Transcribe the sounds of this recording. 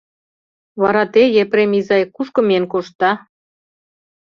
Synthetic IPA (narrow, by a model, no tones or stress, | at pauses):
βɑɾɑt̪ejepɾemizɑjkuʃkɤ̆menkoʃt̪ːɑ